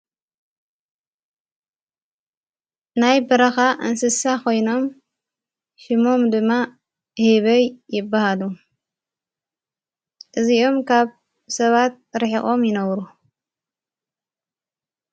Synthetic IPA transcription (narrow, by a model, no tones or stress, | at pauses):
najbɐɾɐxaʔɨnsɨsakʰo̞jno̞m | ʃɪmo̞md̪ɨmːa | hiβɐjːɪbːahalu | ʔɨziʔo̞mkʰaβ | sɐβat̪̚ɾɨħixʼo̞mjɪnɐβɾu